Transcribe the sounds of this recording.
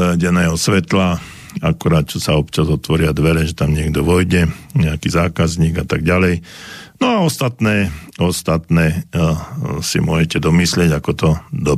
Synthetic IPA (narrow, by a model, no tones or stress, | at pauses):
ɟɛnɛːɦɔsʋɛt̪la | akuɾaːt̪̚t͡ʃɔsaɔpt͡ʃazɔt̪ʋɔɾɪad̪ʋɛɾɛʒɛt̪amɲɪɛɡd̪ɔʋɔjɟɛɲɛakiːzaːkazɲiːɡat̪aɡ̚ɟalɛjnɔaɔst̪at̪nɛːɔst̪at̪nɛː | sḭmʊɔʒɛcɛd̪ɔmislɪɛɟakɔt̪ɔd̪ɔ